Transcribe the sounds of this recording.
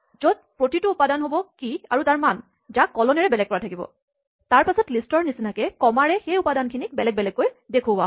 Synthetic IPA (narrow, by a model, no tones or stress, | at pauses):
zod̚pɹotitʊːpadanɦobɔkiaɹutaɹman | zakːɔlɔnɛɹɛbɛlɛɡ̚kɔɹatʰakibɔ̰ | taɹpasɔtlistɔɹnisinakɛkɔmaɹɛxejupadankʰinikbɛlɛɡ̚bɛlɛkːojdekʰʊa̰